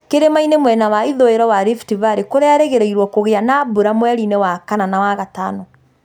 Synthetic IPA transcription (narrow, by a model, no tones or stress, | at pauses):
keɾemainemwɛnawaiðoeɾɔwaɾiftivaɾekoɾeaɾeɣeɾɛiɾwɔkoɣeanabuɾamwɛɾinɛwakananawaɣata̰nɔ